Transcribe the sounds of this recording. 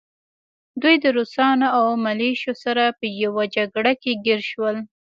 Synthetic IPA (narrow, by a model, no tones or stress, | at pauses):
d̪ujd̪əɾosɑnaawmaleʃosaɾapəjawad͡ʒaɡɽakeɡɪɾʃwəl